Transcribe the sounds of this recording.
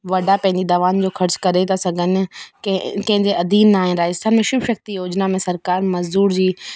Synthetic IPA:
ʋɐɖʱapɐ̃ɦɪ̃ɲd͡ʑid̪ɐʋaːnd͡ʑoːxʰɐɾt͡ɕkɐɾet̪ʰasɐɡʱənɪ̆kkɐ̃ɦɪ̃ɲd͡ʑeɐd̪iːnːaːɦɪ̃nɾaːd͡ʑəst̪ʰaːnmẽʃʊbʃɐk̚t̪ijoːd͡ʑnamẽsɐɾkaːɾmɐzd̪uːɾd͡ʑiː

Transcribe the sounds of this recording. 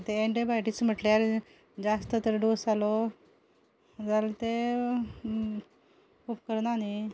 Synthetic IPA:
t̪eeɳɖebajʈism̤əʈljaɾ | d͡zast̪ət̪əɾɖosalo | d͡zalt̪e | kupkəɾnani

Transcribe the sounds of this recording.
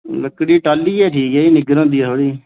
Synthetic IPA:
ləkːɽiːʈaːlːiːɛːʈʰiːkɛːinɪɡɾãːd̪iːɛːt̪ʰoːɽiː

